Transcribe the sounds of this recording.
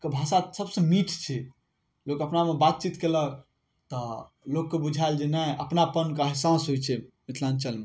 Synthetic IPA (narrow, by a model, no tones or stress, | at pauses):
kebʱasasəbsə̃miʈʰt͡ʃʰɛ | lokəpnamebat̪̚t͡ʃit̪kelək | t̪ɔ | lokːebud͡ʒʱaeld͡ʒenajʔəpnapənkəɦisãsɦojt͡ʃʰɛmit̪ʰlant͡ʃəlme